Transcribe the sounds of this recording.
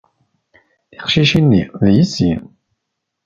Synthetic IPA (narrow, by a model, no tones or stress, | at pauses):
θiqʃiʃinːiðjəsːḭ